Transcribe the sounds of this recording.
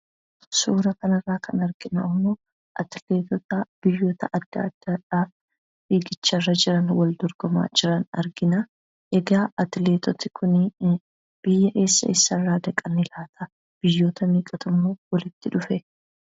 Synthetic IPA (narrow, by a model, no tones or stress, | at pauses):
suːɾɐkɐnɐrːaːkʰɐnɐɾɡ̥ɪna̰ːmːoː | ʔɐt̪ɪleːt̪ɔt̪ɐb̥ɪjːo̞ːt̪ɐʔɐd̪̥ːɐ̰ːd̪̥ːɐᶑaː | biːɡɪt͡ʃːɐrːɐd͡ʒɪɾɐnwɐld̪ɔɾɡ̥ɔma̰ːd͡ʒɪɾɐnɐ̰ɾɡɪna | ʔɛɡaːʔɐt̪ɪle̞ːt̪ʰɔt̪ɪ̥kʰʊnɪ | b̥ɪjːɐʔe̞ːsːɐ̰ɪsːɐrːaːd̪ɐkʼɐnɪlaːt̪ʰɐ | b̥ɪjːo̞ːt̪ɐmiːkʼɐt̪ʰɐmːoːwɐlɪt̪ːɪᶑʊfɛ